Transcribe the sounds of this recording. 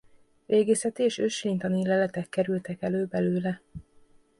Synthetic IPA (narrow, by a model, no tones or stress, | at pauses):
veːɡeːsɛt̪ieːʃøʃlint̪ɒnilɛlɛt̪ɛkːɛɾylt̪ɛkɛløːbɛløːlɛ